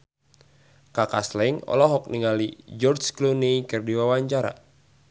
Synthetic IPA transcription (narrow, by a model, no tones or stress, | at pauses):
kakaslɛŋɔ̰lɔɦɔk̚niŋalid͡ʒɔrt͡ʃklunikɨrdiwawaɲt͡ʃaɾa̰